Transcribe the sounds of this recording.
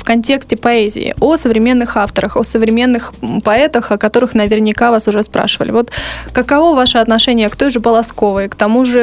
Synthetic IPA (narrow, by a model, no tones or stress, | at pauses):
fkɐnʲtʲe̞ksʲtʲɪpɐɛzʲɪ̰ɪ̰osəvɾʲɪmʲe̞nːɨxaft̪əɾəxosəvɾʲɪmʲe̞nːɨxpɐɛt̪əxɐkɐt̪o̞ɾɨxnəvʲɪrnʲɪkavasʊʐɛspɾʔa̰ʂɨvə̰lʲɪ̰vo̞t̪kəkɐvo̞vaʂɨɐt̪nɐʂɛnʲɪjəkt̪o̞jʐɨpəlˠɐsko̞vɨjəkt̪ɐmuʐɨ